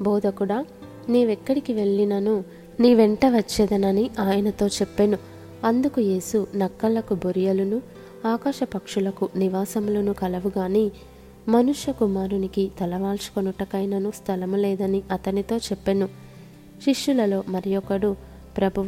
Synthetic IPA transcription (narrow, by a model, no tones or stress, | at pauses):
bɔːd̪ɐkuɽaː | neːʋɛkːɐɽikiʋe̞ɭːinɐnu | niːʋeɳʈɐʋɐt͡ʃːɛːd̪ɐnɐniʔaːjɐnɐt̪o̞ːt͡ʃepːenu | ɐnd̪ukuje̞ːsunɐkːɐlɐkuboɾijɐlunu | aːkaːʃɐpɐkʂulɐkuniʋaːsɐmuloːnukɐlɐʋuɡaːniː | mɐnuʂjɐkumaːɾunikit̪ɐlɐʋaːlsu̥konuʈːɐkɐjnɐnust̪ʰɐlɐmulɛːd̪ɐniɐt̪ɐnit̪o̞ːt͡ʃɛpːenu | ʃiʂːulɐlo̞ːmɐɾijɔkːɐɽu | pɾɐbʱuʋ